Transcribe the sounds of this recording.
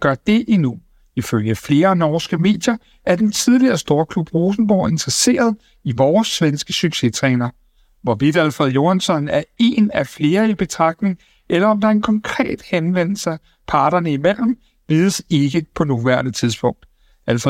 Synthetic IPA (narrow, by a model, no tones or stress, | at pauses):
ɡ̥ɶɐ̰d̥e̝ʔinu | iføljəfle̝ːɐnɒːsɡ̥əme̝̰ːd̥jɐ | æɐd̥ent͡sʰiðˠliɐsd̥o̝ɐkʰlub̥ʁo̝ːsn̩b̥ɒːe̝nd̥ʁɐse̝̰ːɐð̞ˠ | iʋɒːsːʋensɡ̥əsyɡ̥se̝t͡sʰʁɛːnɐ | ʋɒb̥id̥ælfʁɛðˠjo̝hænsɒ̽næɐe̝ːnæfle̝ːɐib̥e̝t͡sʰʁɑ̈ɡ̥̚d̥ne̝ŋ | ʔelɐɒ̽md̥ɑ̈e̝nkʰɒ̽ŋkʰʁɛ̰ːd̥henʋen̰l̩sə | pʰɑ̈ːɾ̥ɐnəimel̰m̩ | ʋiðˠəse̝ɡ̥əpʰɒ̽nuʋæɐd̥it͡sʰiðˠsb̥ɔ̽ŋ̰d̥ | ælf